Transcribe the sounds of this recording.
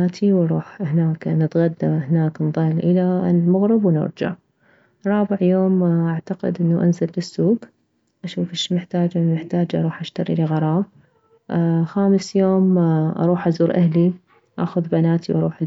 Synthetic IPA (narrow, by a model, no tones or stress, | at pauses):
aːt̪ʰiwɑɾˤuːħhnaːknɪt̪ɣad̪ːahnaːknðˤɑlːʔɪlalmʊɣɾɪbwnʊ̰ɾd͡ʒa̰ʕ | ɾˤːɑːbɪʕjoːmʔaʕt̪aqɪ̰d̪ʔɪnːaʔanzalːɪsːuːɡ | ʔaʃuːfɪʃmɪħt̪aːd͡ʒamɪħt̪aːd͡ʒʔɑ̰ɾˤuːħʔaʃt̪ɑɾḭliɣɑɾˤɑːb̚ | xaːmɪsjoːmʔɑ̰ɾˤuːħʔazuːɾʔahli | ʔa̰xʊðbanaːt̪iwʔɑɾuːħ